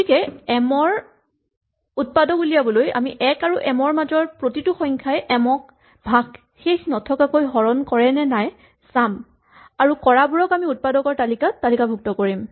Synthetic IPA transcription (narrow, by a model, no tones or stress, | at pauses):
tikɛɛmɔɹ | ut̚padɔkulijabɔloja̰miʔɛkaɹuʔɛmɔɹmazɔɹpɹotituxɔjŋkʰajʔɛmɔk̚ | bʱaɡ | xexnɔtʰɔkakojɦɔɹɔnkɔɹɛnɛnaj | sam | aɹukɔɹabuɹɔkamiut̚padɔkɔɹtalikatalikabʱuk̚tɔkoɹim